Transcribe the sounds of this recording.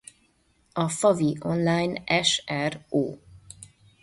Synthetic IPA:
ɒfɒviʔonlaːjnɛʃɛro̰ː

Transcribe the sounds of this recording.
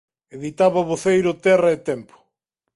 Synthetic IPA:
eðit̪aβɐβoθejɾʊt̪ɛrɐet̪ɛmpʊ̥

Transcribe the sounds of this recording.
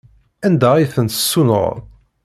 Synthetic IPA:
ænd̪æijθənt̪ə̥sːunə̰ʁˤ

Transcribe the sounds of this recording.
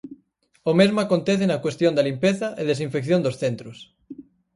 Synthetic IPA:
omezmoakont̪eθenɐkwest̪jond̪alimpeθɐʔeðesiɱfekθjond̪osθent̪ɾos

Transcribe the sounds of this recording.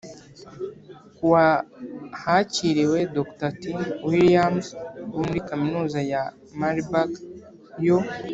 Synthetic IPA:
kuwa | haciɾiwe̞doktatiwiliamzwumuɾikaminuːzaja | maɾibak | jo

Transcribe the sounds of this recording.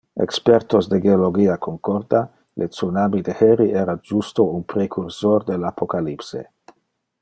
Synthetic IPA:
ḛkspeɾt̪osd̪eɡeoloɡiakʰoŋkoɾd̪a | lʔet̪sunamid̪eheɾiʔeɾad͡ʒust̪ounpɾekʰuɾsord̪elapʰokalipsḛ

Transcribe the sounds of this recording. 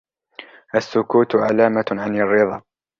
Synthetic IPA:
ʔasːʊkuːt̪ʕalaːmaʕanarːɪðˤɑː

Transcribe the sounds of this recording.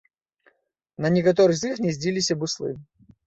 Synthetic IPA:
nɐnʲɪkɐt̪̬ɔɾɨxzixnʲɛzʲdʲilʲisʲɐbɨslˠɨ̰

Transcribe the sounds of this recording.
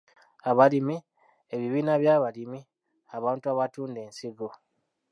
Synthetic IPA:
aβalimi | eβiβiːnaβjaβalimi | aβaːntuaβatuːnde̞ːnsiɡo

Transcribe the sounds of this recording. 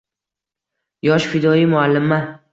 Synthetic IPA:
jɒʃfɪd̪ɒimʊalːɪmːa

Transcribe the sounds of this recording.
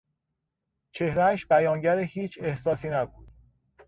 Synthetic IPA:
t͡ʃʰe̞hɾææʃbæjɒːnɟæɾehiːt͡ʃʰe̞hsɒːsiːnæbuːd̪̥

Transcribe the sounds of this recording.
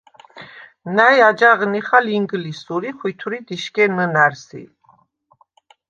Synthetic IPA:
najad͡ʒaʁniχaliŋɡlisuɾiχwit̪ʰuɾid̪iʃkɛnənæɾsḭ

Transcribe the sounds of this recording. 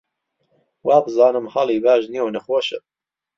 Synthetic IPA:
waːbɨzɑːnɨmhɑlˠiːbaːʒniownɐxoːʃɨ̰m

